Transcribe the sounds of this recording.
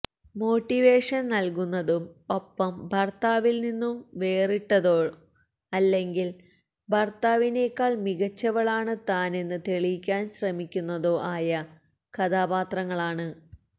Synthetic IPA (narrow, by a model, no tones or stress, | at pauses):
mo̞ːʈːiʋe̞ːʂɐnnɐlkunːɐðumo̞pːɐmbʱɐrt̪aːʋilninːumʋe̞ːriʈːɐðo̞ːɻ | ɐlːe̞ŋɡil | bʱɐrt̪aːʋine̞ːkːaːɭmiɣɐt͡ɕːɐʋɐɭaːɳɨt̪aːne̞nːɨt̪e̞ɭijkʲːaːnɕrɐmikʲːunːɐðo̞ːʔaːjɐ | kɐd̪aːbaːt̪rɐŋːɐɭaːɳɨ